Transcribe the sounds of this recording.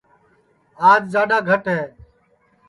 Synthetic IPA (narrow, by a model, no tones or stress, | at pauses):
aːd͡ʒzaːɗaːɡʱəʈɦeː